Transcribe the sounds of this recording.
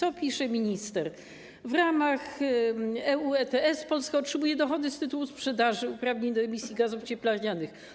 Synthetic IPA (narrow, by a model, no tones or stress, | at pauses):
ɔpʲiʂɛmʲiɲist̪ɛɾ | vɾamax | ɛuɛt̪ɛɛspɔlskaɔtʂɛbujɛd̪ɔxɔd̪ɘst̪ɘt̪uwuspʂɛd̪aʐɘupɾavɲeɲd̪ɔɛmʲisʲjiɡazuft͡ɕɛplaɾɲanɘx